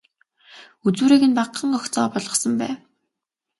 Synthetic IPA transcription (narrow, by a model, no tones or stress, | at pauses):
ut͡suːɾeːɣɘ̆npaqːə̆ŋɔxt͡sɔːpɔɮʁɞ̆sɞ̆mpæːw